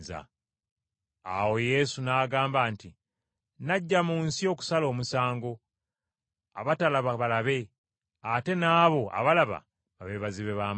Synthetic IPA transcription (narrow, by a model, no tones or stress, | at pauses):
za̰ | a̰wo̞je̞sunaːɡaːmbaːnti | naɟːamuːnsio̞ːku̥salo̞ːmusaːŋɡo̞ | aβatalaβaβalaβe̞ | ate̞naːβo̞ʔa̰βalaβa̰ | βaβeβaziβe̞βaːm